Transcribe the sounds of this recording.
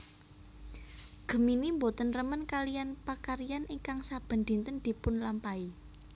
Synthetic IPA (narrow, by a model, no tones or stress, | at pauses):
ɡ̥ə̤minimbot̪ənrəmənkalijanpakaɾijanʔiŋkaŋsab̥ə̤nd̪̥i̤nt̪ənd̪̥i̤pʊnlampai